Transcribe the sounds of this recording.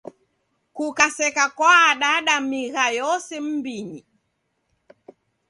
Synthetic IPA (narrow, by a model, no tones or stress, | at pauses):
kukasɛkakwaːɗaɗamiɣajɔsɛm̩biɲi